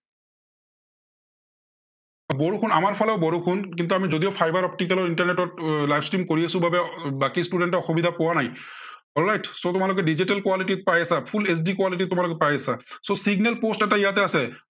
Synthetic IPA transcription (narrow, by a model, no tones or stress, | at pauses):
aboɹukʰunamaɹpʰɔlɛʊbɔɹukʰunkint̪̬uamizod̪ioʊpʰajbaɹɔp̚ʈik̬alɔɹintaɹneʈɔtlajpʰstɹimkoɹiesũbabɛbakistuɖenʈɔɔxubid̪ʱapɔwanaj | ɔlɹajtsotʊmalʊk̬ɛɖiziʈalkwaliʈit̚pajasapʰules̬dikwaliʈ̬itːʊmalok̬ɛpajasasosiɡnɛlpostɛtaijat̪ɛasɛ